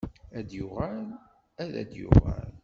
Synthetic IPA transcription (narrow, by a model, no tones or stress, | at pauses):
æd̪jʊʁæl | æðæ̰d̪jʊʁæ̰l